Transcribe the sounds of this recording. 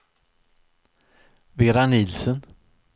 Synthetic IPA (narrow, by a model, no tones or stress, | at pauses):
veɾanɪlsən